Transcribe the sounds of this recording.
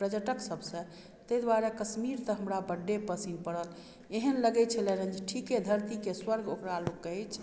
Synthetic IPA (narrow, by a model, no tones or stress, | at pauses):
pɾəd͡ʒəʈəksəbʱsə̃ | t̪əjd̪waɾakəsmiɾt̪əɦəmɾabəɖːepəsinpəɽəl | eɦənləɡɛt͡ʃʰəlɛnə̃nd͡ʒiʈʰiked̪ʱəɾt̪ikeswəɾɡʱokɾalokːəɦɛt͡ʃʰ